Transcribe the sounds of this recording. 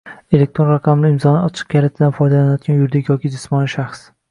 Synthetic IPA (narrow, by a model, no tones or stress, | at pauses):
e̞lek̚ʲt̪ɾonɾɑqʰamlɪɪmzɒnɪɒt͡ʃʰɨ̥q̚kʲʰalat̪ʰɪd̪anfɒjd̪alanɪjɒt̪̚ɡʲanjʊɾd̪ɪkʲjɒkʲɪd͡ʒɪsmɒnɪʃaχs